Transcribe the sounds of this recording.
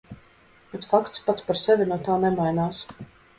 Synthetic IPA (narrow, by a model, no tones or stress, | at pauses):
bɛt̪fakt̪spat̪spaɾsɛvʲinuɔt̪aːnɛmajnaːs